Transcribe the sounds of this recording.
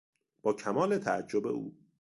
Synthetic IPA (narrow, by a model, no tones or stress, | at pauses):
b̥ɒːcʰæmɒːlet̪ʰææd͡ʒːobe̞̰ʔuː